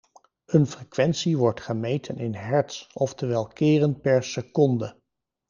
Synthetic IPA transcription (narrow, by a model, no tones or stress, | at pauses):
ənfrekʋɛnsiʋɔɹtχəmejtʰənɪnɦɛɹtsɔftəʋɛlˠkɪːrənpɛɹsəkɔndə